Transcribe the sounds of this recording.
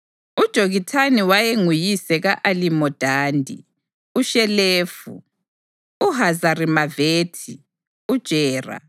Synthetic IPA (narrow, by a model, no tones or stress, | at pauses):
ud̥ʒ̥ʱoɣitʰaniwajeŋujisɛɣaʔalimɔd̥ʱaːndʱḭ | uʃɛleːfṵ | uɦazarimaveːtʰi | ud̥ʒ̥ʱɛːra̰